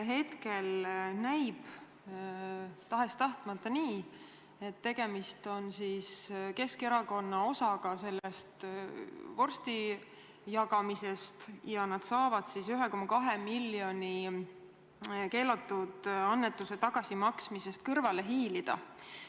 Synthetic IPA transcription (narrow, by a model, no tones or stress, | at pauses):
ɦe̞t̪ke̞lnæjb̥ | t̪ɑɦe̞st̪ɑht̪mɑt̪ˑːɑniː | e̞t̪ːe̞ɡ̥e̞mist̪o̞nsiske̞skeɾɑko̞nːɑo̞sɑɡ̥ɑse̞lːe̞st̪ | vo̞rst̪i | jɑɡɑmise̞st̪jɑnɑd̪̥sɑːvɑd̪̥sisyɦɛko̞mːɑkɑɦemiljo̞ni | ke̞ːlɑt̪ːˑud̪̥ɑnːet̪ːˑuse̞t̪ɑɡ̥ɑsimɑksmise̞st̪̚kɤrvɑle̞ɦiːlid̪̥ɑ̰